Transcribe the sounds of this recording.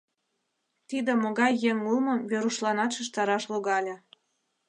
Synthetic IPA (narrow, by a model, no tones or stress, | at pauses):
t̪id̪ĕmoɣɑjːeŋulmɤ̆mβeɾuʃlɑnɑt̪ʃɤ̆ʃt̪ɑɾɑʃloɣɑlʲĕ